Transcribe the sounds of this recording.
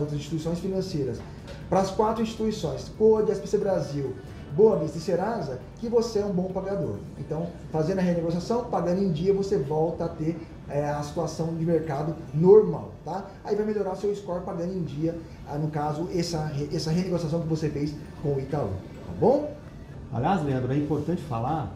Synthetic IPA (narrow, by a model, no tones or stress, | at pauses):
owt̪ɾɐzĩʃt͡ʃit̪uisõj̃sfinɐ̃sejɾɐs | pɾɐːskwat̪ɾʊĩsʃt͡ʃi̥t̪uisõj̃skoɐd͡ʒɪɛspesebɾaziw | boɐbist̪ɐseɾazɐ | kɪvoseɛũbõpaɡad̪o̰ɾ | ẽnt̪ɐ̃w̃ | fazẽɾd̪ɐɦeneɡosiasɐ̃w̃paɡɐ̃nd̪ʊẽd͡ʒiɐvosevɔwt̪ɐat̪eɾ | ɛɐsi̥t̪uasɐ̃w̃d͡ʒɪmeɾkad̪ʊ | noɾma̰wt̪a | aivajmeʎoɾaɾʊsewɪskɔɾpaɡɐ̃nd̪ʊẽd͡ʒiɐ | nʊkazʊɛsɐɦɛsɐɦeneɡosias̬ɐ̃w̃kɪvosefejs | kõʊit̪alõ̰ | t̪a̰bõw̃ | a̰ljazleɐ̃nd̪ɾʊɛĩpoɾt̪ɐ̃nt͡ʃɪ̥fa̰laɾ